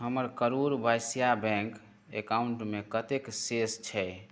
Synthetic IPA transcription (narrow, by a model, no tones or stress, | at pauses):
ɦəməɾkəɾuɾbajsijabɛ̃ŋk | ḛkauɳʈmekət̪eksest͡ʃʰɛ